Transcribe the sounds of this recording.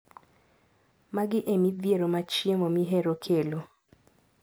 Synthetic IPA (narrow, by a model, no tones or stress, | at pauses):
maɡɪʔemid̪jeɾomat͡ʃjemomiɦeɾokʰelo